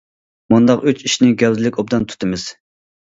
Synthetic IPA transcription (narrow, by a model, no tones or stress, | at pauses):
mund̪ɑqyt͡ʃiʃnɪɡʲɛwzɪlɪkʲob̚d̪ɑnt̪ʰy̥t̪ʰɪmɪz̥